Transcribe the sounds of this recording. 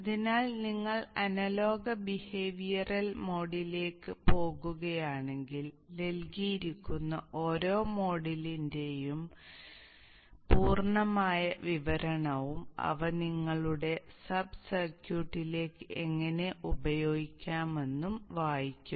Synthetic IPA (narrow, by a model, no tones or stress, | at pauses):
ɐðinaːlniŋːɐɭɐnɐlo̞ːɡɐbihe̞ːʋijɐrɐlmo̞ːɽile̞ːkːɨpo̞ːɣuɣɐjaːɳe̞ŋɡil | ne̞lkijiɾikʲːunːɐʔo̞ːɾo̞ːmo̞ːɽilinde̞jum | puːrɳɐmaːjɐʋiʋɐɾɐɳɐʋumɐ̰ʋɐniŋːɐɭuɽe̞sɐbsɐrkjuːʈːile̞ːkːɨʔeŋːɐne̞ʔubɐjo̞ːɡikʲːaːme̞nːumʋaːjikʲːum